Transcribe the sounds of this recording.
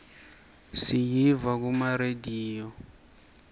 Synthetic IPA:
sijivak̬umaɾediːjɔ

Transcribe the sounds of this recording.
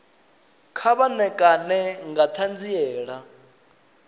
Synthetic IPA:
kʰaβanɛkʼanɛŋɡat̪ʰand͡ziɛːɺa

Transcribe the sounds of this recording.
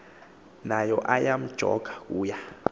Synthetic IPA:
najɔʔajam̩d̥ʒ̥ʱɔ̰ɡ̥ʱḁk̬ʼuːja

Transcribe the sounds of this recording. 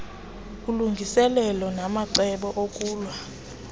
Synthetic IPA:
kʼuluŋɡʱisɛlɛlɔnamaǀɛɓɔʔokʼuːlwa

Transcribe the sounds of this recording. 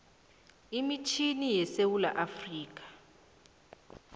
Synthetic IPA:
imit͡ʃʰinijɛsewula̰ʔafriːk̬ḁ

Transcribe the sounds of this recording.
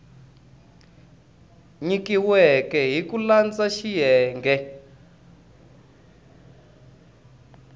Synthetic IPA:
ɲikiwɛkɛɦikuland͡zaʃijɛːŋɡɛ

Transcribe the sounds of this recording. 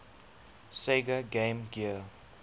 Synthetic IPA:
seɡəɡẽmɡiəl

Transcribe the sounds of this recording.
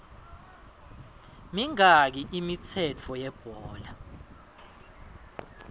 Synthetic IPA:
miŋak̬iʔimit͡sʰɛt͡fʰɔjɛb̥ʱɔːla

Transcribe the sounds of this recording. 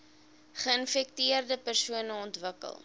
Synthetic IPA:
χəənfɛk̚tiərdəpərsuənəɔntvəkə̰lˠ

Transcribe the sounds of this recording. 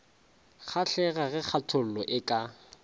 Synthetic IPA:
χʰaɬɛɣaɣɛk͡xʰatʰʊl̩lɔʔɪkʼa

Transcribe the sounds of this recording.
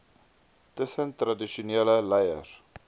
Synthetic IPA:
təsəntradiʃuneːləlɐjə̰r

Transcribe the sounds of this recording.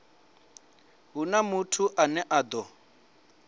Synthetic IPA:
ɦunamutʰuʔanɛʔaːd̪ɔ

